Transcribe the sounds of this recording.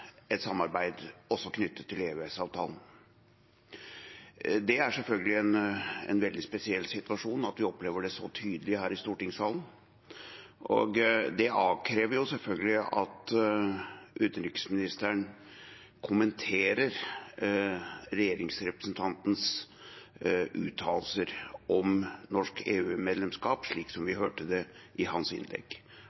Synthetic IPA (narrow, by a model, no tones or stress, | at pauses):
ɛt̪sɑmːɑɾbæɪd̪ɔsːɔkʰnʏt̪ːət̪ʰːɪleːʋesɑːʋt̪ʰɑ̰ːlən̩ | d̪ɛæʂɛlfœlɡəlɪɛnɛ̰nʋɛld̪ɪspɛsɪɛlːsɪt̪ʉɑʂuːnɑt̪ʋɪɔpleːʋəɖɛsɔt̪ʰyːd̪əlɪhæːɾɪst̪uːʈɪŋsɑːln̩ | ʔɔ̰ɡd̪ɛʔɑːʋkʰɾeːʋəɾjʊsɛlfœlɡəlɪɑt̪ | ʔʉːt̪ənɾʏkə̥smɪnɪst̪əɳ | kʰʊmənt̪ʰeːɾəɾ | ɾɛjeːɾɪŋsɾɛpɾə̥snt̪ʰɑnt̪n̩s | ʔʉ̰ːt̪ʰːɑːlsəɾʔɔmnɔʂkeːʉːmeːd̪lɛmskɑːpʂɭiːksɔmʋɪɦøːʈəd̪ɛʔɪɦɑnsɪ̰nlɛ̰ɡː